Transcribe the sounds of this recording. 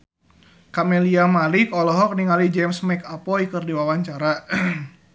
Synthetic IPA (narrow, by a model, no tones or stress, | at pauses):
kamɛliamalikɔlɔɦɔk̚niŋalid͡ʒɛmsmɛkapɔjkɨrdiwawaɲt͡ʃaɾa